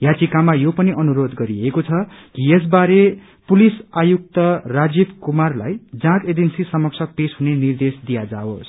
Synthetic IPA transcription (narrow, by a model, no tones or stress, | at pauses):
jat͡sikamajopʌniʔʌnuɾod̪ɡʌɾiekot͡sʰʌkies̬baɾe | pulisajuk̚t̪ʌrad͡zibkumarla̰jd͡zãt̪ed͡zensisʌmʌk̚t͡sʰʌpesɦunenird̪esd̪ijad͡zaos